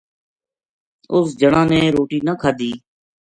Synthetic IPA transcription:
ʊs̬d͡ʒəɽãːneːɾoːʈiːnəːkʰaːd̪iː

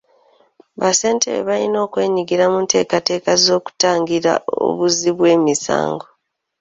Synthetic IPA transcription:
βase̞ːntḛɾḛβaino̞ːkwe̞ːɲiɡiɾamunte̞ːkate̞ːkazo̞ːku̥taːŋɡiɾa̰o̰βuziβwe̞ːmisa̰ːŋɡo̞

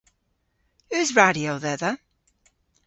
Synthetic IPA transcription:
ʉzɹaɾioðɛðə

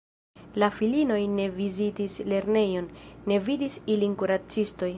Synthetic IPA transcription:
lafilino̞jne̞vizitisle̞ɾne̞jo̞nːe̞vidisilinkuɾat͡sisto̞j

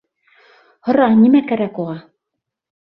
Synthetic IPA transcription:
hŏɾɑnimækæɾækuʁɑ

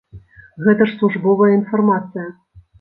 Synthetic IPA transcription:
ɣɛt̪ɐʂslˠuʐbɔvɐjəinfɐrmat̪sɨjɐ

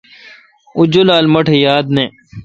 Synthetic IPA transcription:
ʊd͡ʑolaːlmɐʈʰejaːd̪nẽː

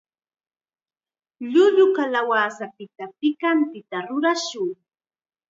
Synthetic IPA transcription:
ʎʊʎʊkalawaːsapɪt̪apɪkant̪ɪt̪aɾʊɾaʃʊŋ

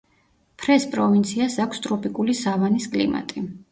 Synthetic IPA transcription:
pʰɾɛspʼɾɔvint̪sʰiasakʰst̪ʼɾɔpʼikʼulisavaniskʼlḭma̰t̪ʼi

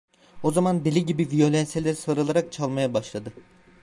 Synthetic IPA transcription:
o̞zamand̪elʲiɟibivijo̞lʲɛnselʲɛɾsaɾalˠaɾak̚t͡ʃʰalˠmajabaʃlˠad̪ɯ

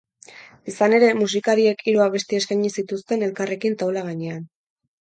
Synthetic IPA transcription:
isane̞ɾe̞mus̬ikaɾie̞kʰiɾuaβ̞e̞st̪eeskaɲisit̪ust̪e̞ne̞lkare̞kint̪awlaɣ̞aɲe̞an

